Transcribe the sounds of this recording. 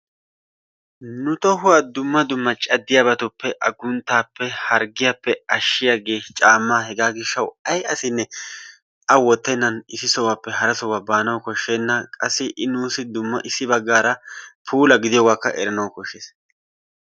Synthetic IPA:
nʊt̪ɔɦʊwad̪ʊmːɐd̪ʊmːɐt͡ʃʼɐd̪ːɪjaːbɐt̪ʊpːɛʔɐɡʊnt̪ːaːpːɛhɐɾɡɪjapːɛɐʃːɪjaɡe̞ːt͡ʃʼaːmːaːɦɛɡaːɡɪʃːɐwɐjɐsɪnːɛ | ɐwɔt̪ːɛnːɐnɪsɪsɔwaːpːɛɦɐɾɐsɔwabaːnɐwkɔʃːeːnːɐkʼɐsːɪʔɪnuːsɪd̪ʊmːɐʔɪsːɪbɐɡːaːɾɐpʰuːlɐɡɪd̪ɪjɔwaːkːɐ̰ʔɛɾɐnɐwkɔʃːeːs

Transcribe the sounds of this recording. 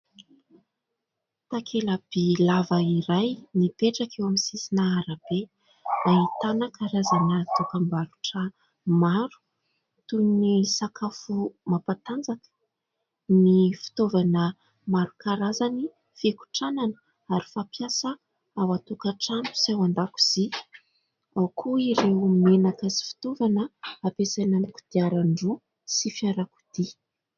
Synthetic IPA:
t̪akʰelab̥elavaiɾajnipeʈ͡ʂakewamsisinaaɾab̥e | ait̪anəkʰaɾazanət̪ukəmbaɾuʈ͡ʂə | maɾu̥ | t̪unisakafumapat̪and͡zakə̥ | nifi̥t̪ovanə | maɾukaɾazani | feku̥ʈ͡ʂananə | aɾi̥fapjasə | awat̪ukaʈ͡ʂanu̥sawand̪aku̥z̥i | awkʰuiɾemenakazi̥fi̥t̪ovanəapesanamikud̪̥iaɾaɳɖ͡ʐu | sifiaɾaku̥d̪̥i

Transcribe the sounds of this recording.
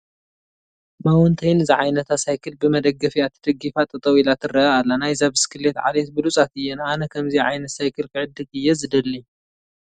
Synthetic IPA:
mawɔnt̪ʰɐjnɨziʕajnɐt̪ʰasajkʰɨlbɨmɐd̪ɐɡːɐfiat̪ʰɨd̪̥ɐɡifat̪ʼɨt̪ʼɐwilat̪ʰɨrɐalːanajzaβɨskʰɨlːet̪ʕa̰let̪bɨlut͡sʼat̪ɨjːɛnanɐkʰɐmziʕajnɐt̪sajkʰɨlkʰɨʕɨd̪ːɨt̪ɨjːɛzɨd̪ɐlːi

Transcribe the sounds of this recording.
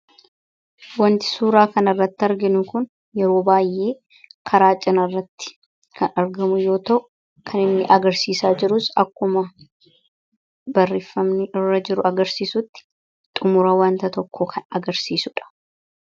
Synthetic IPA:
wɐnt̪ɪ̥suːɾaːkɐnɐrːɐt̪ːɐɾɡɪnʊkʊn | jɛɾo̞ːbaːjʔːe̞ː | kʰɐɾaːt͡ʃʼːɪnɐrːɐt̪ːɪ̥ | kʰɐnɐɾɡɐmʊjo̞ːt̪ɐʔʊ | kʰɐnɪnːɪʔɐɡɐɾsiːsaːd͡ʒɪɾʊsɐkːʊmɐ | bɐrːɪfːɐmnɪʔɪrːɐd͡ʒɪɾʊɐɡɐɾsiːsʊt̪ːɪ̥ | t̪ʼʊmʊɾɐwɐnt̪ɐt̪ɔkːoːkʰɐnɐɡɐɾsiːsʊᶑɐ̥

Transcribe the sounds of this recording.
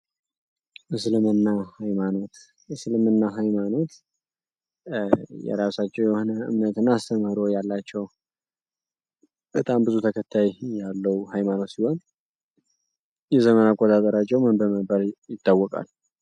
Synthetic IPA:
ʔɨslɨmɨnːahajmano̞t̪ | ɨslɨmɨnːaɦajmano̞t̪ | jɛ̰ɾasat͡ʃːɛwjɛhonəɨ̰mnət̪ɨnːaːst̪ʰəməhɾo̞jalːat͡ʃːɛw | b̥ət̪ʼambɨzut̪ʰəkʰət̪ʰːajjalːəwhajmano̞t̪siho̞n | jɛzəmənakʼːot̪ʼat̪ʼəɾat͡ʃːɛwmɨnbəməbəɾjɪt̪ːawːɔkʼa̰l

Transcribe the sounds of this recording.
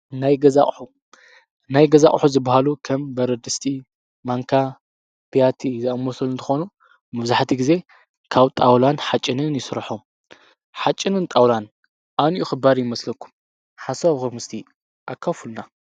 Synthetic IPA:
najɡɐzaʔʼħu | najɡɐza̰χʼħuzɨbahalukʰɐmbɐɾɐd̪ɨst̪ʰi | maŋkʰa | pʰijat̪ʰizɐʔɐmːosʰulɨnt̪ʰɨxo̞nu | mɐβzaħt̪ʰiɡize̞ | kʰaβt̪ʼawlanħat͡ʃʼːɪnɨnjɪsɨɾħom | ħat͡ʃʼːɪnɨnt̪ʼawlan | ʔanʔuxɨbaɾjɪmɐslɐkʰːu̥m | ħasaβxɐmɨst̪ʰi | ʔakʰːafulna

